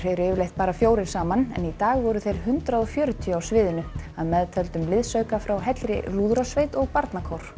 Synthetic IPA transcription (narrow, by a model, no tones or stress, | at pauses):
ejɾɛvʏlejht̪̚paːɾafjoːwɾɪnsaːmanɛ̰nit̪aːɣvɔɾʏθejɾ̥hʏnt̪ɾaðɔfjœːɾʏt̪ʰiawsvɪːðɪnʏaðmɛðt̪ʰœlt̪ʏmlɪðsœɥkafɾawɦɛt̪lɾɪ̰luːðɾasvejt̪ɔɣpaɾt̪nakʰɔwɾ̥